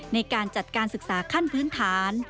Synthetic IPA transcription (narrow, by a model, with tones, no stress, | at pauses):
na˧jkaː˧nt͡ɕa˨˩t̪̚kaː˧nsɯ˨˩k̚saː˩˦kʰa˥˩npʰɯː˦˥nt̪ʰaː˩˦n